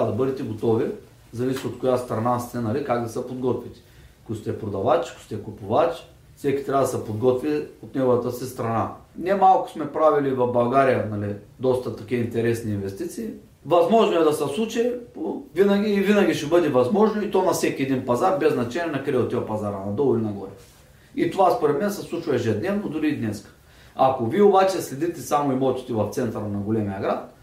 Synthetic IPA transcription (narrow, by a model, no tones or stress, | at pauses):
ad̪ɐbɤd̪ɛt̪ɛɡot̪ɔvi | zɐvisiot̪kojast̪ɾɐnast̪ɛnɐlikaɡd̪ɐsəpod̪ɡɔt̪vit̪i̥ | kost̪ʲɛpɾod̪ɐvat͡ʃkʊ̥sʲt̪ɛkʊpʊvat͡ʃ | sɛkʲi̥t̪ɾʲavɐd̪ɐsɛpod̪ɡɔt̪viot̪nɛɡovɐt̪əsist̪ɾɐnanɛmalˠkʊ̥smɛpɾavilivɐfbɐlˠɡaɾijənɐlid̪ɔst̪ət̪ɐkʲiəint̪ɛɾɛsniːnvɛst̪it̪siː | vɐzmɔʒnoɛd̪ɐsslˠut͡ʃɛpovinɐɡʲiːvinɐɡʲiʃɛbɤd̪ɛvɐzmɔʒnoit̪onɐfsɛkʲiɛd̪inpɐzaɾbɛznɐt͡ʃɛnʲiɛnɐkɾɛot̪iɐpɐzaɾɐnɐd̪olˠilʲinɐɡɔɾɛ | it̪ovaspoɾɛt̪mɛnsɛslˠut͡ʃvɐɛʒɛd̪nʲɛvnod̪ʊɾiːd̪nɛskə̥ | akoviɛobat͡ʃɛslʲɛd̪it̪ɛsamoimot̪i̥t̪ɛvɐft̪sɛnt̪ɐɾnɐɡolɛmijɐɡɾat̪̚